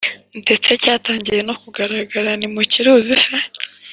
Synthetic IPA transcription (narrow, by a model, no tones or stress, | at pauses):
ntet͡secaːtaːɲɟije̞no̞kuɡaɾaɡaɾanimuciɾuːzisa